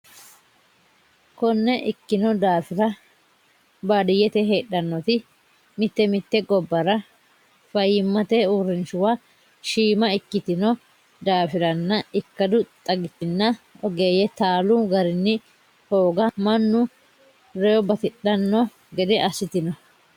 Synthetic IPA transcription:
kɔnːɛʔɪkːɪnɔd̪aːfɪɾɐ | baːd̪ɪjːɛt̪ɛɦe̞ːɗɐnːɔt̪ɪ | mɪt̪ːɛmɪt̪ːɛɡɔbːɐɾɐ | fɐjɪmːɐt̪ɛuːɾɪnʃʊwa | ʃiːmɐɪkːɪt̪ɪnɔ | d̪aːfɪɾɐnːɐɪkːɐd̪ʊt̪ʼɐɡɪt̪ːɪnːɐɔɡeːjɛt̪aːlʊɡɐɾɪnːɪ | ho̞ːɡɐmɐnːʊ | ɾɛjɔbɐk̪ɪɗɐnːɔ | ɡɛd̪ɛʔɐsɪt̪ɪnɔ

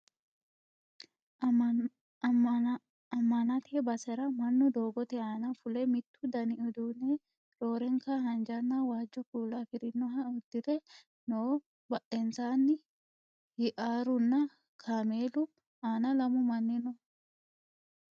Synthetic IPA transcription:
ɐ | ɐmːɐnɐt̪ɪɛbɐsɛɾɐmɐnːʊd̪o̞ːɡɔt̪ɛaːnɐfʊlɛmɪt̪ːʊd̪ɐnɪʔʊd̪uːne | ɾo̞ːɾɛŋkaɦɐnd͡ʒɐnːawaːd͡ʒːɔkuːlafɪɾɪnːɔɦɐʊd̪ːɪd̪ɛ | noː | bɐʔɛnsaːnːɪ | hɪʔaːɾʊnːɐ | kʰaːmeːlʊ | aːnɐlɐmʊmɐnːɪnɔ

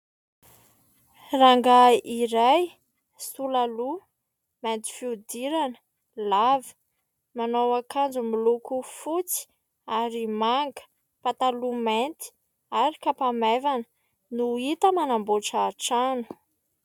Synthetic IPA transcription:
raŋɡaiɾaj | sulalu | ment̪i̥fiud̪iɾanə̥ | lavi̥ | manowakʰand͡zumilukufut͡si̥ | aɾimaŋɡə̥ | pat̪alument̪i̥ | aɾikapamevanə̥ | nuit̪əmanamboʈ͡ʂaʈ͡ʂanu̥

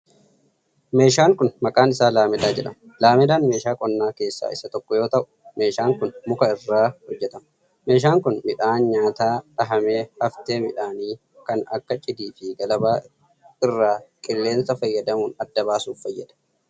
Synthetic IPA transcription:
me̞ːʃaːŋkʊnmɐkʼaːnɪsaːlaːmɛd̪aːd͡ʒɛᶑɐmɐ | laːmɛd̪aːnme̞ːʃaːkʼɔnːaːke̞ːsːa̰ːɪsɐt̪ɔkːɔjo̞ːt̪ɐʔʊ̥me̞ːʃaːŋkʊnmʊkɐɪrːaːhɔd͡ʒːɛt̪ɐmɐ | me̞ːʃ̬aːŋkʊnmɪᶑaːnɲaːt̪aːᶑɐɦɐme̞ːhɐft̪e̞ːmɪᶑaːniː | kɐnɐ̰kːɐt͡ʃʼɪd̪iːfɪɡɐlɐbaː | ɪrːaːkʼɪlːe̞ːnsɐfɐjːɐd̪ɐmuːnɐd̪ːɐβaːsuːffɐjːɐd̪ɐ̥

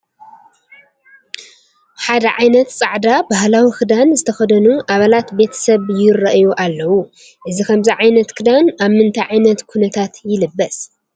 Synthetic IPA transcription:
ħad̪ɐʕajnɐt̪t͡sʼaʕd̪abahlawixɨd̪anzɨt̪ʰɐxɐd̪ɐnuʔaβalat̪be̞t̪ʰɐ̥sɐβjɪrɐʔjuʔalːɐwu | ʔɨzikʰɐmziʕajnɐt̪kʰɨd̪anaβmɨnt̪ʰɐjʕajnɐt̪kʰunɐt̪ʰat̪jɪlɨbːɐs

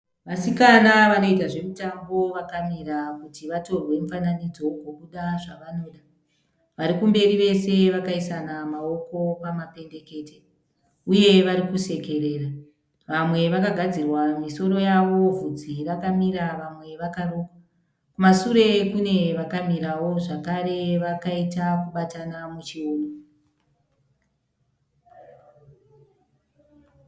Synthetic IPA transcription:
ʋasikanaʋano̞itaʐe̞mitambo̞ʋakamiɾakutiʋato̞rwe̞mufananid͡zo̞ɡwo̞kuɗaʐaʋano̞ːɗa | ʋaɾikumbe̞riʋe̞se̞ʋakaisanamao̞ko̞pamape̞nde̞ke̞ːte | uje̞ʋaɾikuse̞ke̞re̞ːra | ʋamwe̞ʋakaɡʱad͡zirwamiso̞ɾo̞jaʋo̞vud͡zirakamiɾaʋamwe̞ʋakaroːka | kumasuɾe̞kune̞ʋakamiɾawo̞ʐakaɾe̞ʋakaitakuɓatanamut͡ʃioːno

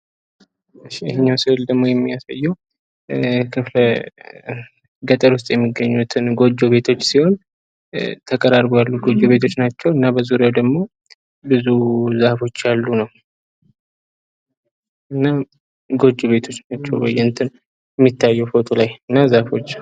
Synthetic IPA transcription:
ɨʃːijɪhɨɲːawsɨɨld̪əɡmo̞jɛmːijasa̰jːɛw | kʰɨflə | ɡət̪ʼəɾwʊs̬t̪ʼjɛmːiɡːəɲːut̪ʰɨnɡo̞d͡ʒːoβe̞t̪ʰo̞t͡ʃːsiho̞n | t̪ʰəkʼəɾaɾbojalːuɡo̞d͡ʒoβe̞t̪ʰo̞t͡ʃːnat͡ʃːɛwɨnːabəzuɾjawd̪əɡmo̞ | bɨzuzahfo̞t͡ʃːalːunəw | ʔɨnːa | ɡo̞d͡ʒoβe̞t̪ʰo̞t͡ʃːnat͡ʃːɛ̰wbəjːɛɨnt̪ʰɨn | ɛmːit̪ːajːɛwfot̪ʼolajɨnːazahfo̞t͡ʃː

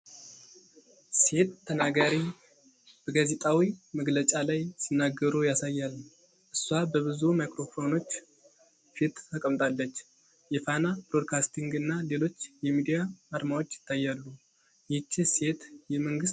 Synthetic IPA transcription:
se̞t̪ʰːənaɡaɾi | b̥əɡazet̪ʼawiməɡlət͡ʃʼalajsinːaɡːəɾujasajːalː | ʔɨsːwabəβɨzumajkɾo̞fo̞no̞t͡ʃː | fit̪ʰːəkʼəmt̪ʼalːət͡ʃː | jɛfanabɾod̪kʰast̪ʰiŋɡɨnːale̞lo̞t͡ʃːjɛmid̪ijaːɾmawo̞t͡ʃːjɪ̥t̪ʰːajːalːu | jɛt͡ʃːɪse̞t̪jɛməŋɡɨs

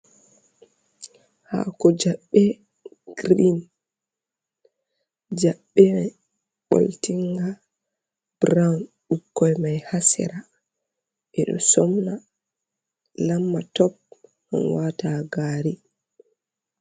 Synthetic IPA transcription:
ha̰kɔd͡ʒaɓːɛ | ɡ̥ɾin | d͡ʒaɓːɛmaj | ɓo̰ltiŋɡa | b̥ɾawn | ɗukːɔjmajhasɛ̰ɾa | ʔɛɗɔ̰sɔmna | lamːatɔp̚ | ʔa̰nwataɡaːɾi

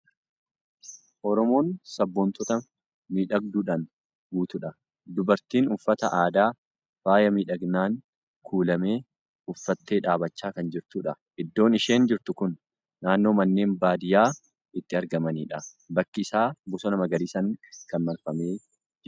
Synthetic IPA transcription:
ʔɔɾɔmo̞ːnsɐbːɔnt̪ɔt̪ɐ | miːᶑɐɡ̚d̪uːᶑɐn | ɡuːt̪ʊᶑɐ | d̪ʊbɐɾt̪iːnʊfːɐt̪ɐʔaːd̪aː | faːjɐmiːᶑɐɡnaːŋ | kʰuːlɐme̞ː | ʊfːɐt̪ːe̞ːᶑaːbɐt͡ʃːaːkɐnd͡ʒɪɾt̪uːᶑɐ | ʔɪd̪ːo̞ːnɪʃe̞ːnd͡ʒɪɾt̪ʊkʊnː | aːnːo̞ːmɐnːe̞ːmbaːd̪ɪjaː | ɪt̪ːɪɐɾɡɐmɐniːᶑɐ | bɐkːɪɪsaːbʊsɔnɐmɐɡɐɾisɐŋkɐnmɐlfɐme̞ː | d͡ʒ

